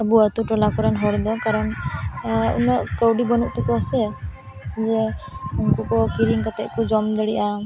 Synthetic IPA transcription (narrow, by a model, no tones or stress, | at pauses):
əbuat̪uʈɔlakɔɾanɦɔɽd̪ɔkaɾɔn | ṵnɔʔkɔwɖibɔnuʔt̪ɔkɔasɛ | d͡ʒɛunkukɔkiɾiŋkat̪ɛʔkɔd͡ʒɔmd̪ɛɽiʔa